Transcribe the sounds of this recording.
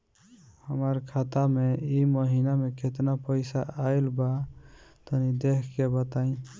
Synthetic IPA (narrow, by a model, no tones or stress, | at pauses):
həməɾkʰat̪ameiməɦinamekʰet̪napəɪsaajlbat̪ənid̪ekʰkebət̪aĩ